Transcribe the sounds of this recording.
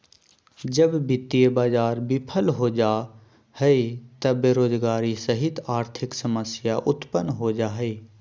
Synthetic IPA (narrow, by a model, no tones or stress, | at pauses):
d͡ʒəbbɪt̪ːijebaːd͡ʒaːɾbɪpʰəlɦoːd͡ʒa | hɛit̪ɐbeːɾoːd͡ʒɡaːɾisəɦɪt̪aːɾt̪ʰɪksɐməsjaʔʊt̪pənɦod͡ʒaːɦɛiː